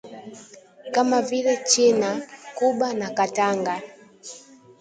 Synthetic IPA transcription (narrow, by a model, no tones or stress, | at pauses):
kamavilɛt͡ʃinakuɓanakataŋɡa